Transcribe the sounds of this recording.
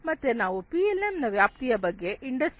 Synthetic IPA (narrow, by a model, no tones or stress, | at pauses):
mɐt̪ːenaːʋupiːelemnɐʋjaːp̚t̪ijɐbɐɡːe̞ʔiɳɖɐs